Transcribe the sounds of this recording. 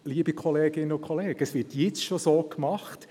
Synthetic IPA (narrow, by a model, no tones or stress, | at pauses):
liːbikʰχɔleːɡɪnəʊkʰχɔleːɡ̥əəsʋɪtjɛt͡sʃosoːkmɑχt